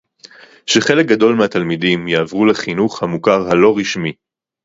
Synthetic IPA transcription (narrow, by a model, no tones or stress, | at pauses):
ʃeχe̞lek̚ɡad̪o̞lmeat̪almidimjeavʁuleχinuχhamukaʁhalo̞ʁiʃmi